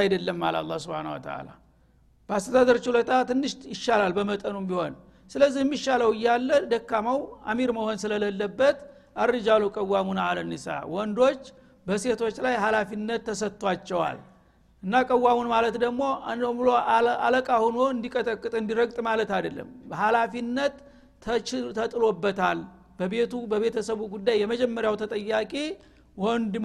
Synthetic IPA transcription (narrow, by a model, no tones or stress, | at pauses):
ajd̪əlːəmːa̰la̰lˤːahsubhanəwə̰t̪ʰə̰ʔa̰la̰ | b̥əast̪ʰəd̪ad̪əɾt͡ʃulət̪ʰat̪ɨnːɨʃt̪jɪʃːalalbəmət̪ʼənumbiho̞n | sɨləzːihmːiʃːaləwɨjːalːəd̪əkːamawa̰miɾməho̞nsɨlələlːəbːət̪ | ʔaɾɨd͡ʒalukʼəwːamunalənːisa̰a̰wɔnd̪o̞t͡ʃː | bəse̞t̪ʰo̞t͡ʃːlajɦalafinːət̪ʰːəsət̪ːwat͡ʃːɛwa̰l | ɨnːakʼəwːamunmalət̪d̪əɡmo̞bloa̰ləkʼahunoɨnd̪ikʼət̪ʼəkʼːɨt̪ʼɨnd̪iɾəɡt̪ʼmalət̪ad̪əlːə̰mbəɦalafinːət̪ː | t̪ʰət̪ʼɨlo̞bːət̪ʰal | b̥əβe̞t̪ʰubəβe̞t̪ʰəsəβuɡud̪ːajːɛməd͡ʒɛmːəɾjawt̪ʰət̪ʼəjːakʼi | wɔnd̪m